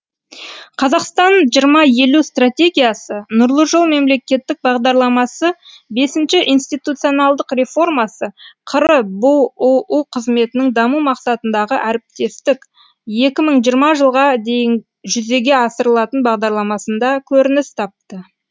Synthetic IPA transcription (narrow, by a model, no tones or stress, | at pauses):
qʰɑzɑqst̪ɑnʒijəɾmɑje̞lust̪rat̪ʲe̞ɡʲijasənʊɾlˠəʒolˠme̞mle̞kʲe̞t̪ːɪk̚bɑʁd̪ɑɾlˠɑmɑsə | be̞sɪnʃɪʔijnst̪ijt̪ut̪sɨjo̞nɑlˠd̪əqre̞fo̞rmɑsəqʰəɾəbʊuuqʰəzme̞t̪ɪnɪŋd̪ɑmumɑqsɑt̪ənd̪ɑʁəʔæɾɪp̚t̪e̞st̪ɪk | je̞kʲɪməɴʒijəɾmɑʒəlˠʁɑd̪e̞jɪŋ | ʒʏze̞ɡʲe̞ɑsəɾəlˠɑt̪ənbɑʁd̪ɑɾlˠɑmɑsənd̪ɑkʲʰɵɾɪnɪst̪ʰɑp̚t̪ə